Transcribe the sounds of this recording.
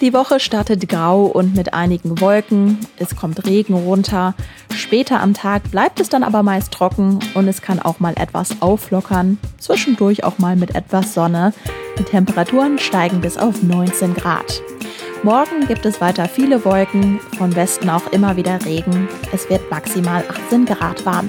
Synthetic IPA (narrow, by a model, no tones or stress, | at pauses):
d̥iːvɔχəʃtaɐtətɡ̥ʁaʊʔʊntmɪtʔa̰ɪnɪɡŋ̩vɔlkŋ̩ʔɛskʰɔmtʁeːɡŋ̩ʁʊntʰɐ | ʃpɛːtʰɐʔa̰mtʰaːk̚b̥laɪp̚tɛsd̥anʔa̰ːbɐmaɪstʁ̥ɔkŋ̩ʔʊntɛskʰanʔa̰ʊxmaːlʔɛ̰tv̥a̰sʔaʊflɔkʰɐnt͡sv̥ɪʃn̩dʊɐça̰ʊxmaːlmɪtʔɛ̰tv̥asz̥ɔnəd̥iːtʰɛmpəʁatʰuːʁənʃtaɪɡŋ̩bɪsa̰ʊfnɔʏnt͡seːnɡʁa̰ːt | mɔɐɡŋ̩ɡiːp̚tɛsv̥aɪtɐfiːləvɔlkŋ̩fɔnvɛstn̩aʊxʔɪmɐviːdɐʁeːɡŋ̩ʔɛsv̥ɪɐtmaksimaːlʔaχt͡seːnɡʁa̰ːtv̥aɐm